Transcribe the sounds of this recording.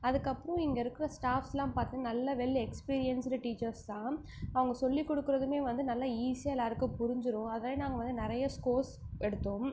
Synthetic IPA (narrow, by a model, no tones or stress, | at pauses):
ɐðɯkːɐpːɯɾɔ̃ɪŋɡɐɪɾɯkːɪɯɾɐsʈaːfsɛlãːpaːɾt̪ɯŋɡɐnɐlːɐʋɛlːɛkspiːɾɪjɐnsɾɐʈiːt͡ʃːɐɾst̪ãː | ɐʋɐŋɡɐsɔlːikːɔɽɯkːɯɾɐðɯmeːʋɐnd̪ɯnɐlːɐiːsɐɛlaːɾɯkːɯ̃pʊɾɪɲd͡ʒɯɾʊ̃ɐðaːðnaːŋɡɐʋɐnd̪ɯnɪɾɐjɐskoːɾsɛɽɯt̪ːõm